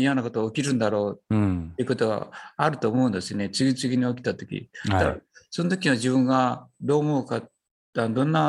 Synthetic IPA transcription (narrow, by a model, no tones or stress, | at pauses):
ijanako̞t̪ookʲiɾɯ̟̃nd̪aɾo̞ːt̪ːeiɯ̟ko̞t̪o̞ɡa̰aɾɯ̟t̪o̞ːmo̞ɯ̟̃nd̪e̞sɨjonet͡sɨɡʲit͡sɨɡʲiɲ̟io̞kʲi̥t̪at̪o̞̥kʲḭd̪aso̞nt̪o̞kʲiɲiaʑibɯ̟̃ŋɡad̪o̞ːmo̞ɯ̟ka | anod̪õ̞nːa